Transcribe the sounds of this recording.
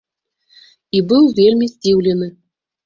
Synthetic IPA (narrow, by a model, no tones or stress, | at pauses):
ibɨwvʲelʲmʲizʲd͡zʲiwlʲɛnɨ